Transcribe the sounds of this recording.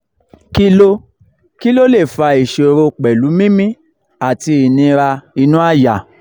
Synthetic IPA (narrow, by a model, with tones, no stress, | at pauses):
ki˦lo˦ | ki˦lo˦le˦˨fa˧i˨ʃe˨o˨ɾo˧˨k͡pɛ˨lu˨˦mĩ˦mĩ˦ | a˨ti˧i˨nĩ˧ɾa˧i˧nũ˦a˦˨ja˨